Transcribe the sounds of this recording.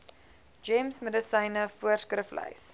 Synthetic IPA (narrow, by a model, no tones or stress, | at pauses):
d͡ʒɛmsmədəsəjnəfuərskrəflə̰js